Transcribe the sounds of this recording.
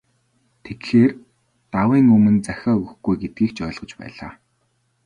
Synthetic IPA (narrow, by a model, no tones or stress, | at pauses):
t̪ʰet̪xeːr | t̪awiːŋɵmɵ̆nt͡sæxʲɔːɵɣɵ̆xɡujɡet̪̚ɡiːkt͡ɕœːɮʁɞ̆t͡ɕpæ̰ːɮa̰ː